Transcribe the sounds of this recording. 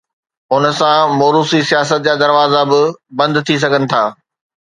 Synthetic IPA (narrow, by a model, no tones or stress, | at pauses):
ʊnə̆sãmoːɾuːsisijaːs̬ət̪̚d͡ʑaːd̪ɐɾʋaːzabɪbɐ̃nd̪ʊt̪ʰis̬ɐɡʱənɪ̆t̪ʰaː